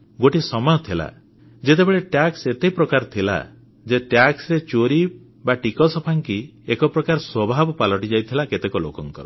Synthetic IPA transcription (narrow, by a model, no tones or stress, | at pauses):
ɡoʈisɔmɔjɔt̪ʰila̰ | d͡ʒet̪ebeɭeʈjakset̪eɦipɾɔkaɾɔt̪ʰila̰ | d͡ʒeʈjaksɾet͡ʃoɾi | baʈikɔsɔpʰaŋkiekɔpɾɔkaɾɔswɔbʱabɔpalɔʈid͡ʒajt̪ʰilaket̪ekɔlo̰kɔŋkɔ̰ɾɔ